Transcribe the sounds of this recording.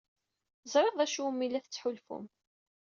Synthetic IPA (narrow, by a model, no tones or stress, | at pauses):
zˤɾeʁðˤæʃumːilːæθət͡sːħʊlfʊ̰m